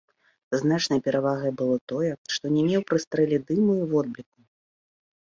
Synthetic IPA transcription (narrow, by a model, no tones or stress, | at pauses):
znat͡ʂnɐjpʲɛɾavaɣɐjbɨlˠɔt̪ɔjɛʂt̪ɔnʲɛmʲɛwpɾɨst̪ɾɛlʲid̪ɨmɨjiwɔd̪̚blʲik̚u